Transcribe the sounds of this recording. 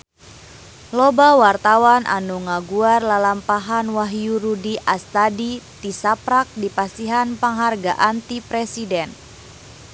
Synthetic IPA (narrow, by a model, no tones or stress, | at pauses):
lɔbawart̪awanʔa̰nuŋaɡuarlalampaɦanwaɦjuɾudiʔast̪adit̪isapɾak̚dipast̪iɦanpaŋɦarɡaʔant̪ipɾɛsidɛn